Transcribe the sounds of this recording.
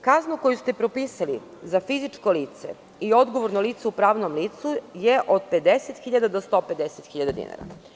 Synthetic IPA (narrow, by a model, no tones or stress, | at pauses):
kaznokojust̪epɾo̞piːsalḭ | zafizit͡ʃko̞liːt̪se̞̰ | io̞d̪ɡoʋoɾnoliːt̪seupɾaːʋnomliːt̪sujeʔod̪pe̞d̪eset̪xiʎad̪ad̪ost̪o̞pe̞d̪eset̪xiʎad̪ad̪ḭna̰ɾa̰